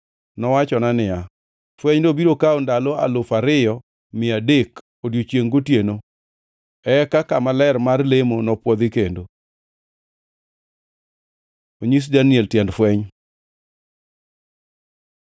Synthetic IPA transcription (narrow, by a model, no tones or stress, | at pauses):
nɔwat͡ʃɔnanɪa | fwɛɲdobiɾokaondaloa̰lofaɾɪjɔ | mɪadek | odjot͡ʃjeŋɡotjeno | ɛkakamalɛɾmarlemonɔpwɔd̪ɪkendo | oɲis̬daniɛltjɛndfwɛɲ